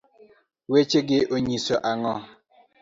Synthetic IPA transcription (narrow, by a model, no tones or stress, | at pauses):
wet͡ʃeɡɪʔoɲisɔʔaŋɔ